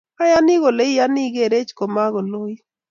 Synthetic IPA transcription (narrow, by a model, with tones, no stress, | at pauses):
a˦ja˦nɪ˦ɣo˨le˦ja˦ni˦ɡe˨ɾe˦t͡ʃko˨ma˦ɣo˨lo˦ji˦